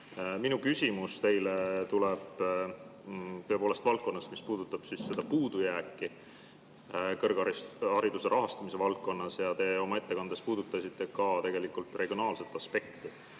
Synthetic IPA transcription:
minukysʲimust̪e̞jlet̪uleb̥ | t̪øe̞po̞ːle̞st̪vɑltk̚kːˑo̞nːɑsmispuːd̪̥ut̪ːˑɑb̥sisːe̞d̪̥ɑpuːd̪̥ujæːkːi | kɤrɡɑiɑɾid̪use̞ɾɑɦɑst̪ɑmis̬e̞vɑlt̪̚kːo̞nːɑsjɑt̪e̞o̞mɑe̞t̪ːe̞kɑnd̪espuːd̪ut̪ːˑɑsit̪ːˑe̞kɑt̪e̞ɡe̞likˑult̪ˑre̞ɡ̥jo̞nɑːlse̞t̪ːˑɑspe̞kt̪i

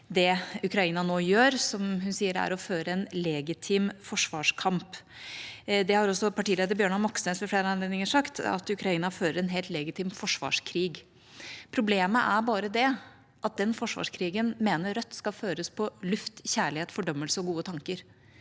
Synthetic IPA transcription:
d̪ɛʉkɾɑiːnɑnoːjøːɾsɔmhʉnsiːəɾæ̰ɾɔføːɾəɛnlɛɡɪt̪ʰiːmfɔʂʋɑːʂkʰɑmp | d̪ɛhɑɾɔsːɔpʰɑʈiːleːd̪əɾbjøːɳɑmɔksnɛsʋɛfleːɾəɑnleːd̪nɪŋəʂɑkt̪ʰɑ̰t̪ʉkɾɑiːnɑføːɾəɾɛnɦɛːlt̪lɛɡɪt̪ʰiːmfɔʂʋɑ̰ːʂkʰɾiːɡ | pʰɾʊbleːməʔæbɑːɾəd̪ɛ | ʔɑt̪̚d̪ɛnfɔʂʋɑ̰ːʂkʰɾiːɡənmeːnəɾɾœt̪ːskɑføːɾəspʰɔlʉft̪çæːɭɪheːt̪fɔɖœmːəlsəɔɡuːət̪ʰɑŋkəɾ

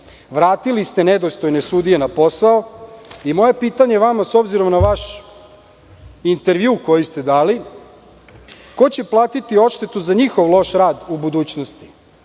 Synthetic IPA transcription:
ʋɾaːt̪ilist̪e̞ned̪o̞st̪ojnesuːd̪ie̞napo̞saoimo̞je̞piːt̪aɲeʋamaso̞bziɾo̞mnaʋaʃ | int̪e̞ɾʋjuːko̞jist̪e̞d̪aːli | ko̞t͡ɕe̞plˠaːt̪it̪io̞ʃt̪et̪uzaɲixoʋlˠo̞ʃɾaːd̪ubud̪uːt͡ɕnost̪i̥

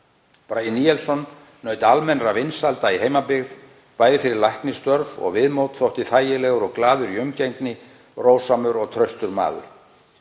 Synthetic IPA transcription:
pɾajiniɛlsɔnː | œːɥt̪ɪalmɛnɾavɪnsalt̪aiɦeːjmapɪɣð | paːjðɪfɪɾɪɾlajhk̪nɪst̪œɾvɔ̰ɣvɪðmowt̪θowht̪ɪθaːjɪlɛːɣʏɾɔɣklaːðʏɾiʏmcejŋknɪ | roːwsamʏɾɔɣt̪ʰɾœɥst̪ʏɾma̰ːðʏ̰ɾ̥

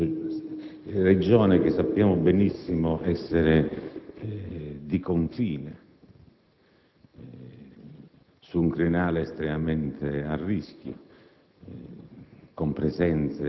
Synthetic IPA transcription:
rɛd͡ʒɔːnɪk̟ɪsːapːjaːmʊbenisːimʊʔɛsːeɾɪ | d̪ikoɱfiːne | suuŋkɾinaːlɪːst̪ɾɛmamɛnt̪ʰearːisk̟jʊ̰ | kɔmpɾɛzɛnt̪se

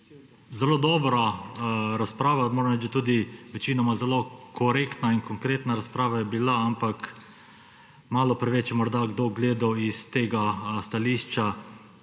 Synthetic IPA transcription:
zɛloːd̪ɔːbɾa | ɾaspɾaːʋamoɾɛmɾɛt͡ʃd̪at̪uːd̪iʋɛt͡ʃiːnɔmazɛlokʰɔɾekt̪nainkɔŋkɾeːt̪naɾaspɾaːʋajɛbilaampak | maːlɔpɾɛʋɛt͡ʃjɛmɔɾd̪aɡd̪oɡleːd̪awist̪eːɡast̪aliːʃt͡ʃa

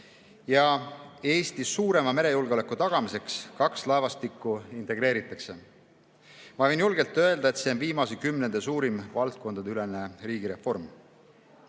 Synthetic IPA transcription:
jɑe̞ːst̪issuːɾe̞mɑme̞ɾe̞julɡeolekːut̪ɑɡ̥ɑmise̞kskɑkslɑevɑst̪ikːˑuint̪e̞ɡ̥ɾe̞ːɾit̪ːˑɑkse̞ | mɑvɤ̞jnjulɡe̞lt̪ːˑø̞e̞ld̪ɑet̪se̞o̞nviːmɑsekymnend̪esuːɾimvɑlt̪̚ko̞nd̪̥ɑd̪yle̞ne̞ɾiːɡiɾe̞fo̞rm

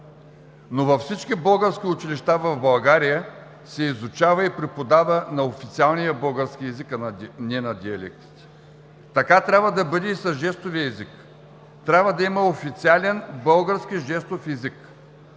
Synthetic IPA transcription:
novɐfsit͡ʃkʲibɤlˠɡəɾskʲiʊt͡ʃiliʃt̪avɐvbɐlˠɡaɾijə | sɛizʊt͡ʃavɐipɾɛpod̪avənɐofit̪sialˠnijəbɤlˠɡəɾsk̟ʲiɛzikɐnʲɛnɐd̪ʲiɐlɛ̰k̚t̪i̥t̪ | t̪ɐkat̪ɾʲabvɐd̪ɐbɤd̪ɛisɐzʒɛst̪ʊviəɛzik | t̪ɾʲabvəd̪ɐimɐofit̪sialɛnbɤlˠɡəɾskiʒɛst̪ofɛzik

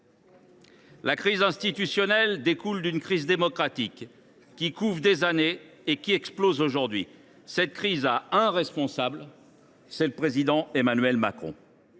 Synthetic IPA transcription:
lakχizɛ̃st̪it̪ysjɔnɛld̪ekuld̪ynkχizd̪emɔkχat̪ikː | ikuvd̪ezane | ekʲiɛksplozoʒuʁd̪ɥḭ | sɛt̪̚kχizaɛ̃ʁɛspɔ̃sabl | sɛləpχezid̪ɑ̃emanɥɛlmakχɔ̰̃

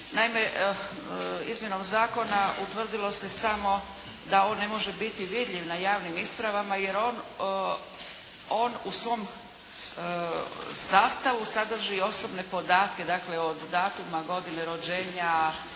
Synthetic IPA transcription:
naime̞ | izmje̞no̞mzaːko̞naut̪ʋr̩d̪ilˠo̞se̞samo̞ | d̪ao̞ːnːe̞mo̞ʒe̞bit̪iʋid̪ʎʲiʋnajaːʋnimispɾaʋamaje̞ɾoːn | o̞ːnusʋo̞m | saːst̪aʋusad̪r̩ʒio̞so̞bne̞po̞d̪aːt̪ke̞d̪akleod̪ːaːt̪umaɡo̞d̪ineɾo̞d͡ʒeːɲa

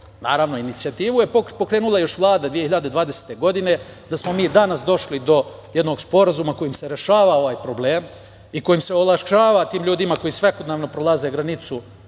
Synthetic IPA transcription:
naːɾaʋno̞init̪siat̪iːʋuje̞popokɾe̞ːnulˠajo̞ʃʋlˠaːd̪ad̪ʋijeçiʎad̪e̞d̪ʋaːd̪ese̥t̪e̞ɡo̞d̪ine̞ | d̪asmo̞miːd̪anas̬d̪o̞ʃlid̪o̞ | jed̪no̞ɡspo̞ɾazumako̞jimseɾeʃaːʋao̞ʋaːjpɾo̞bleːm | iko̞jimse̞olˠaʃt͡ʃaːʋat̪iːmʎuːd̪imako̞jiːsʋeko̞d̪neʋno̞pɾo̞lˠaze̞ɡɾanit̪su

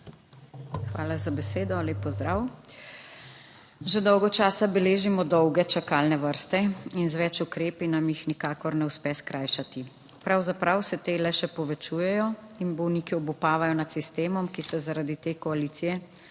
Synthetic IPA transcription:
xʋaːlazabɛseːd̪ɔleːpːɔzd̪ɾaw | ʒɛd̪ɔwɡɔt͡ʃaːsabɛleːʒimɔd̪ɔwɡɛt͡ʃakaːlnɛʋəɾst̪ɛinzʋɛt͡ʃukɾeːpinamjixnikaːkɔɾnɛuspɛskɾʔaːjʃat̪i | pɾawzapɾawsɛt̪eːlɛʃɛpɔʋɛt͡ʃuːjɛjɔinbɔwniːkiɔbupaːʋajɔnat̪sist̪eːmɔmkisɛzaɾad̪it̪eːkɔaliːt̪sijɛ

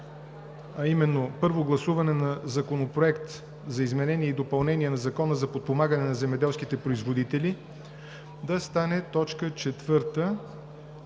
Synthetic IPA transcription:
ɐimɛnːopɤɾvoɡlˠɐsuvɐnɛnɐzɐkonopɾoɛkt̪ | zɐizmɛnɛniɛid̪opɐlˠnɛniɛnɐzɐkɔnəzɐpot̪̚pomaɡənɛnɐzɛmɛd̪ɛlˠsk̟it̪ɛpɾoizvod̪it̪ɛli | d̪ɐst̪anɛt̪ɔt͡ʃkət͡ʃɛt̪vɤɾt̪ə

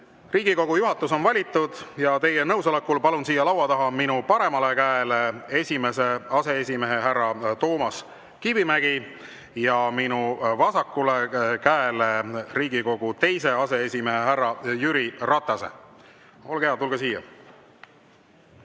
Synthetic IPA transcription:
riːɡiko̞ɡ̥ujuɦɑt̪ːˑuso̞nvɑlʲit̪ːˑud̪̥jɑt̪e̞jenɤ̞wso̞lekːˑulpɑlunsiːjɑlɑwɑt̪ɑɦɑminupɑɾe̞mɑle̞kæelee̞sʲime̞se̞ɑse̞esʲime̞ɦe̞ɦærːɑt̪o̞ːmɑs | kibimæɡ̥i | jɑminuvɑsɑkːˑulekæeleriːɡ̥iko̞ɡ̥ut̪e̞jse̞ɑse̞esʲime̞ɦeɦærːɑjyɾirɑt̪ˑːɑse̞̰ | o̞lɡeɑt̪ulɡ̥ɑsiːjɑ̰

